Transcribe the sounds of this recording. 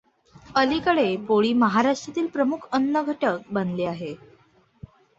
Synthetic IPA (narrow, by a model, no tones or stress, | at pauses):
əliːkəɽepoɭiːməɦaɾaʂʈɾat̪iːlpɾəmukʰənːəɡʱəʈək̚bənleːaɦe